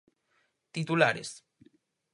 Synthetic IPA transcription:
t̪it̪ulaɾes

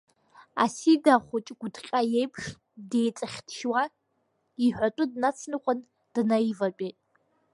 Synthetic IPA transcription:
a̰sidaχʷʊt͡ʃʼɡʷʊdqʲʼajejpʰʂ | dejt͡sʼɨχʲtʰʃwa | iħʷᶣatʼʊdnat͡sʰnɨqʷʼən | d̥ɨnajivapʼeːtʼ

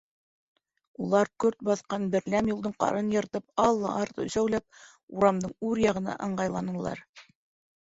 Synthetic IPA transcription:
ulˠɑɾkɵɾt̪̚bɑθqɑnbɘ̆ɾlæmjulˠd̪ɤɴqɑ̰ɾɤnjɤ̆ɾt̪ɤpɑlˠːɑʔɑɾt̪ɤ̰sæwlæp̚ | uɾɑmd̪ɤɴʉɾjɑʁɤ̆nɑ̰ʔɤ̆ɴɢɑjlˠɑnɤ̆lˠɑ̰ɾ

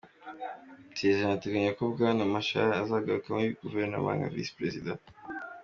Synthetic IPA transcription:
tʰezanateɡaɲakobɡanamaʃa̰azaɡaɾukameiɡuveɾna̰mã̰ŋɡa̰vḭspɾezid̪ã

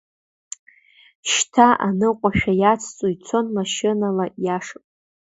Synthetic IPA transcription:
ʃtʰaʔanɨqʷʼaʃᶣajat͡sʰt͡sʼojt͡sʰo̞nmaʃɪnalajaʂapʼ

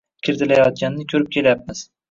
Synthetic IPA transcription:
kʲʰɪɾd̪ɪlajɒt̪̚ɡʲanːɪkʲʰɵɾɪp̚kʲʰe̞ljap̚mɪz̥

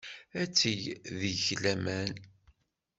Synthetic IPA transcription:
æt͡sːijðəçlæmæn

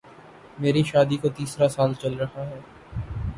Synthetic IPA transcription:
meːɾiʃaːd̪ikot̪iːsɾasaːlt͡ʃɐlɾɐhaɦɛː

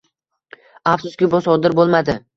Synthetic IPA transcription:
afsʊskʲɪbɒsɒd̪ɪɾbolˠmad̪ɪ

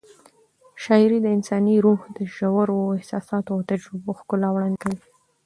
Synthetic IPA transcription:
ʃɑɪɾid̪əɪnsɑniɾohd̪əʒawaɾoɪhsɑsɑt̪ot̪ad͡ʒuboxkʊlawɽankawi

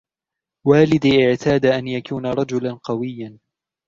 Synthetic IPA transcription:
waːlɪd̪ʔɪʕt̪ʰaːd̪aʔanjakuːnaɾˤɑd͡ʒʊlanqɑwɪjːan

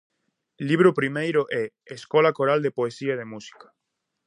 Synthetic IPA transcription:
liβ̞ɾopɾimejɾoʔɛ | eskolakoɾald̪epoesiaeð̞emusi̥kḁ

